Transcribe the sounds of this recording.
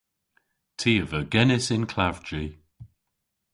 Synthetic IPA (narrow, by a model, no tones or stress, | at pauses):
tʰiːəvəɡɛnɪsɪnkʰlavd͡ʒi